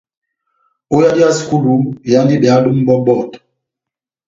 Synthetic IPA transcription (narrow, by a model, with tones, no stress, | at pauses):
o˦ja˦di˦a˦su̥˨ku˦lu˨˦˨ja˦ndi˦bɛ˨a˨˦du˦m˦bɔ˦bɔ˦˨t